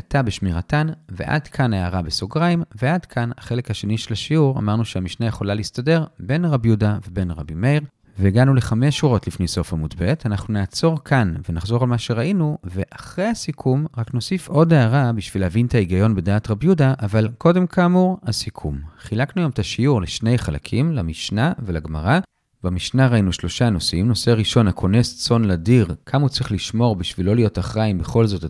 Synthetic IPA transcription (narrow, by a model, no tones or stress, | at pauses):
atabeʃmiʁatanve̞̰ʔa̰dkʰanaaʁabesoɡʁaimveʔadkʰanaχe̞lekhaʃe̞niʃelaʃiuʁa̰maʁnuʃeamiʃnajeχo̞lalistade̞ʁbe̞nʁabjudavebe̞nʁa̰bimejʁ | veːɡanule̞χame̞ʃuʁo̞tlifnejso̞famudbe̞tanaχnuneːt͡so̞ʁkʰanvenaχzo̞ʁalmaʃeʁaʔinuve̞ʔaχʁe̞jhasikʰumʁakno̞sifo̞deaʁabiʃvileavintʰaiɡajo̞nbe̞daːtʁabjudaʔavalko̞de̞mkamuʁhasikʰumχilaknujomet̪aʃiuʁleʃne̞jχala̰kʰimlamiʃnavelaɡmaʁa | bamiʃnaʁainuʃlo̞ʃano̞simno̞seaʁiʃo̞nakʰo̞ne̞st͡so̞nladiʁkʰamut͡sʁiχliʃmo̞ʁbiʃvilːo̞lijo̞taχʁaimbe̞χo̞lzo̞t